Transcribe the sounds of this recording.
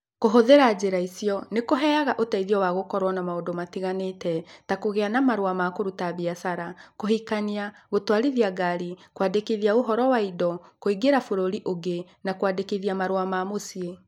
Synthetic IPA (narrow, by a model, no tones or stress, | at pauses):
koɦoðeɾad͡ʑeɾaisijɔnekoɦɛaɣaʔotaiðiɔwaɣokɔɾwanamaondomatiɣanetɛtakoɣeanamaɾowamakoɾutaβiasaɾakoɦikaniaɣotwaɾiðiaɡaɾikwadekeðiaoɦɔɾɔwaidɔkoiɡeɾafoɾoɾiʔoɡe | nakwadekeðiamaɾwamamosie